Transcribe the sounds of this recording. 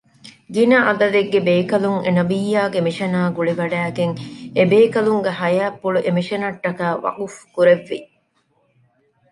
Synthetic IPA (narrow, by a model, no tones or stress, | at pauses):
ɡinɐʔɐd̪ɐd̪eɡːebeːkɐluŋenɐbijːaːɡemiʃɐnaːɡuɭiʋɐɖæːɡeŋebeːkɐluŋɡehɐjaːpːuɭuʔemiʃɐnɐʈːɐkæːʋɐ̰ɡufkuɾeʋːḭ